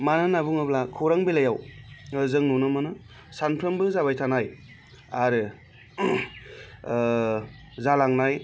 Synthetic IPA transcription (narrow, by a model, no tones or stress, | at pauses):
manɯnabuŋɯblakʰoɾaŋbilajawzɯŋnunɯmɯnɯ | sanpʰɾɯmbɯzabajtʰanaj | aɾɯ | zalaŋnaj